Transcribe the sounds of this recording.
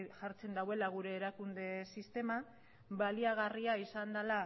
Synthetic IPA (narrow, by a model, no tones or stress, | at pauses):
ʝaɾt͡se̞nd̪awe̞laɣ̞uɾe̞ːɾakund̪e̞sist̪e̞ma | βaliaɣ̞ariaisand̪ala